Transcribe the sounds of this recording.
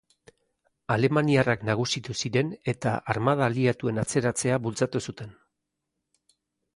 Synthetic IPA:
ale̞maniaraknaɣ̞usit̪usiɾe̞ne̞t̪a̰ʔaɾmaðaliat̪ue̞nat͡se̞ɾat͡se̞aβult͡sat̪usut̪e̞n

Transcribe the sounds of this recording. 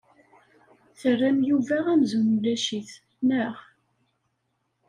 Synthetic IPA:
θərːæmjuvæʁæmzunlæʃiθ | nəʁ

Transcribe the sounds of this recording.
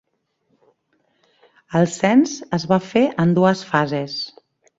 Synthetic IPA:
əlˠsɛnzəzβafeʔənd̪uəsfazes

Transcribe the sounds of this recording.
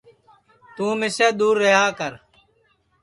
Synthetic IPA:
t̪ũːmɪsaːd̪uːɾːeɦaːkəɾ

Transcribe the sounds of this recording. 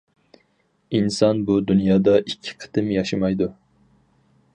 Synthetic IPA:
insɑnbud̪unjɑːd̪ɑʔikʲʰːɪ̥qʰɨ̥t̪ɨmjɑʃɨmɑjd̪u

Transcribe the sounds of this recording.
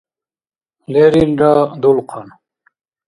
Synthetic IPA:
leɾilɖad̪ulqʰɑn

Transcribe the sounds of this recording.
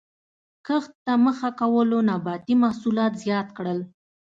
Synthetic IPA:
kəxt̪t̪aməxakawəlonɑbɑt̪imahsulɑt̪zjɑt̪̚kɽəl

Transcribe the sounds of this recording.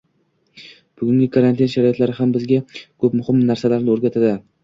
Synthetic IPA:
b̥ʊɡʲʊŋɡʲɪkʰaɾant̪ʰinʃaɾɒjɔt̪laɾɪɦambɪzɡʲakʰɵpmʊhɪmnaɾsalaɾnɪoɾɡʲat̪ʰad̪ɪ

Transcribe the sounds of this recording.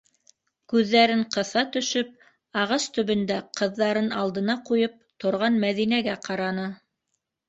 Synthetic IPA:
kʉðːæɾɘɴqɤ̆θɑt̪ɵ̆ʃɵp̚ | ɑʁɑst̪ɵ̆βɵ̆nd̪æqʰɤ̆ðːɑɾɤnɑlˠd̪ɤ̆nɑqujɤp̚t̪ŏɾʁɑnmæðinæɡæqɑɾɑnɤ

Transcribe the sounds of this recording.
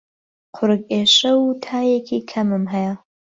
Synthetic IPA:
qʰʊɾɨkeːʃɐwt̪ʰaːjekʰikʰɐmɨmɦɐjɐ

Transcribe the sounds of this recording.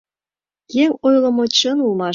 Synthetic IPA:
jeŋʲojlˠɤ̆mɤ̆t͡ɕɤ̆nulˠmɑ

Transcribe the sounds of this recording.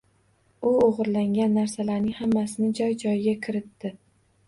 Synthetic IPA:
ʊoʁɨɾlaŋɡʲanːaɾsalaɾnɪŋhamːasɪnɪd͡ʒɒjd͡ʒɒjɡʲakʲʰɪɾɪt̪ːɪ

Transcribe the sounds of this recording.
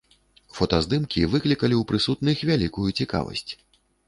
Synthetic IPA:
fɔt̪ɐzd̪ɨmkʲivɨklʲikɐlʲiwpɾɨsut̪nɨxvʲalʲikujut͡sʲika̰vɐ̰sʲt͡sʲ

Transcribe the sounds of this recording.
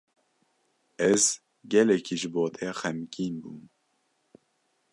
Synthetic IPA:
ɛz | ɡɛlɛkʰiʒɨboːt̪ʰɛxɛmkiːnbuːm

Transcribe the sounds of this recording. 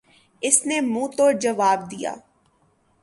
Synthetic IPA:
ɪsnemũːt̪oːd͡ʒɐʋaːb̚d̪ija̰ː

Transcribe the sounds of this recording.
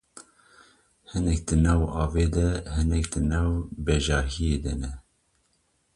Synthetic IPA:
hɨnɛk̚d̪ɨnɑwɑːveːd̪ɛhɨnɛk̚d̪ɨnɑwbɛʒɑːɦijed̪ɛnɛ

